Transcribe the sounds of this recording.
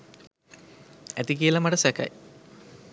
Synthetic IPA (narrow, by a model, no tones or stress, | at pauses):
æt̪ik̬iəlɐmaʈəsæka̰j